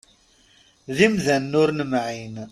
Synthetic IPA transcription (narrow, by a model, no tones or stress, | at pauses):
ðimðænːʊɾnmʕin